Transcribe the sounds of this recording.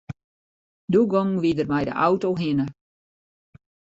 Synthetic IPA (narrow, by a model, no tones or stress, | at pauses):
duɡɔŋʋidərmɛjdə̰ʔawtoɦɪnə